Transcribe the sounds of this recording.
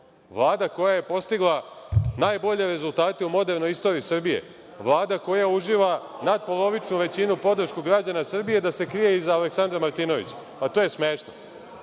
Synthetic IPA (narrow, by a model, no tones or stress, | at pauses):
ʋlˠaːd̪ako̞jaje̞po̞st̪iɡlˠa | naːjbo̞ʎe̞ɾe̞zulˠt̪aːt̪eumo̞d̪e̞ɾno̞jist̪o̞ːɾiːsrbije̞̰ | ʋlˠaːd̪ako̞jauʒiːʋanad̪̚po̞lˠo̞ʋit͡ʃnuʋe̞t͡ɕinupo̞d̪r̩ʃkuɡɾad͡ʑanasrbije̞d̪ase̞kɾije̞izaːleksand̪ɾamaɾt̪ino̞ʋḭt͡ɕ | pat̪o̞ːje̞smeːʃno̰